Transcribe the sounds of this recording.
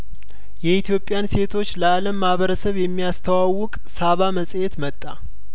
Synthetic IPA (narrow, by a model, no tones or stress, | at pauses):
jɛit̪ʰijo̞pʼːjanse̞t̪ʰo̞t͡ʃːləaləmːahβəɾəsəβjɛmːijast̪ʰəwawːʊkʼsaβaməsʼjet̪mət̪ʼːa